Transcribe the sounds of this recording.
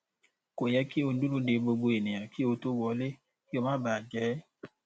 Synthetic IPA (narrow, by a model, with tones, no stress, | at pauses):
ko˨jɛ˦ki˦o˨n̩˦du˦lu˦de˨˦bo˧ɡ͡bo˧e˨ne˨a˨ki˦o˨to˦wɔ˨˦le˦ | i˦o˨ma˦baː˨d͡ʒɛː˨˦